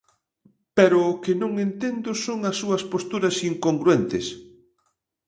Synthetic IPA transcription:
peɾʊːkɪnõŋent̪end̪ʊsoŋɐsːuɐspost̪uɾɐsiŋkoŋɡɾuent̪ɪs

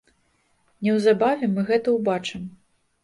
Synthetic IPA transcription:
nʲɛwzabavʲɛmɨɣɛt̪ɐwbat͡ʂɨm

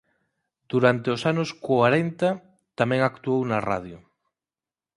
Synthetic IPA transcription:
d̪̥uɾant̪eosanoskwaɾent̪a | t̪amẽŋakt̪uownara̰ðjʊ

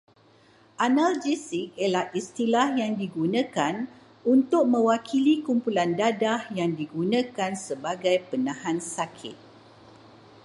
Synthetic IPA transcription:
ʔanald͡ʒisik̚əlahist̪ilahjaŋdiɡunãkan | unt̪ʊk̚mə̃wakʰilikumpulandadahjaŋdiɡunãkansəbaɡajpənãhãnsakʰɪ̰t̪̚

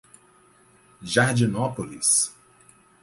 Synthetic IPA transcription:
ʒaɾd͡ʒinɔpolḭs

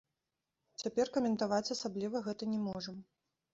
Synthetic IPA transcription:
t͡sʲapʲɛrkɐmʲɛnt̪avat͡sʲasablʲivɐɣɛt̪ɐnʲɛmɔʐɐm

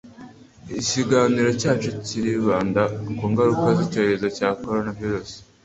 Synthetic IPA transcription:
iciɡaniɾo̞caːt͡ʃeciɾiβaːndakuːŋɡaɾukazico̞ːɾezocaːko̞ɾo̞naviɾus

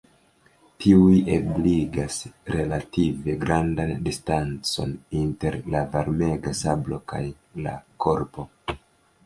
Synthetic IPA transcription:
tʰiujebliɡasɾe̞lative̞ɡɾandandistant͡so̞̰ninte̞ɾlavaɾme̞ɡasablo̞kaj | la̰kʰo̞ɾpo̞

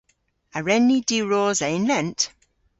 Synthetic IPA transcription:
əɹɛnːidiɹɔːzɛɪnlɛnt

